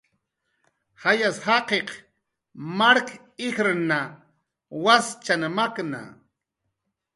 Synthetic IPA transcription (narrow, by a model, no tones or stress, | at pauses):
hajashaqeq | maɾk | ɪxɾna | wast͡ʃanmakna̰